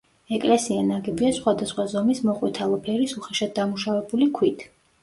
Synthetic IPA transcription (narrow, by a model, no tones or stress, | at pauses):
ɛkʼlɛsianaɡɛbiasχwad̪asχwazɔmismɔqʼwɛt̪ʰalˠɔpʰɛɾisuχɛʃad̪̚d̪amuʃavɛbulikʰwit̪ʰ